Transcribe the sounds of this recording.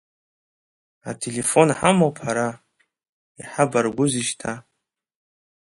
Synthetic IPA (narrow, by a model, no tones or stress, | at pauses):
atʰe̞le̞fo̞nħamowpʰħaɾa | iħabarɡʷʊziʃtʰa